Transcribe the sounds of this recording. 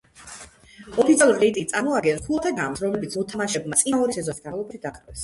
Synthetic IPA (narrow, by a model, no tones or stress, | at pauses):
ɔpʰit̪ʰialˠuɾit̪ʼiit̪sʼaɾmɔaɡɛntʰulˠat̪ʰaɡamsɾɔmlɛbit̪sʰmɔt̪ʰamaʃɛbmat̪sʼiaɔɾisɛzɔsi̥ɡalˠɔbɾid̪aχd̪vɛs